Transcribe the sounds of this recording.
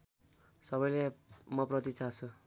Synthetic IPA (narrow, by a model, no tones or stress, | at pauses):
sʌβʌjlemʌprʌt̪it͡sat͡sʰu